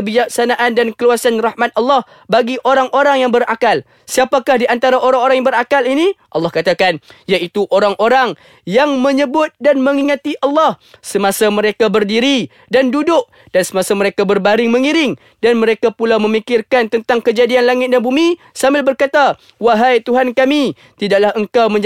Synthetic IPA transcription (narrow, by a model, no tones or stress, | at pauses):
əbid͡ʒak̚sanaʔandankəluasanrahmat̪̚ɑlːɑh | baɡiʔoɾaŋʔoɾaŋjaŋbərakal | siapakahdiant̪aɾaʔoɾaŋoɾaŋjaŋbəɾakaliniʔɑlːɑhkat̪akanjaʔit̪uʔoɾaŋʔoɾaŋ | jaŋmə̃ɲəbʊt̪̚danməŋiŋat̪iʔɑlːɑhsəmasaməɾekabərdiɾi | dandudʊk̚ | d̥ansəmasaməɾekabərbaɾɪŋməŋiɾɪŋ | danməɾekapulawməmikɪrkant̪ənt̪aŋkəd͡ʒadianlaŋɪt̪̚danbumi | sambɪlbərkat̪a | waɦajt̪uɦankami | t̪idaʔlahəŋkawmə̃ɲ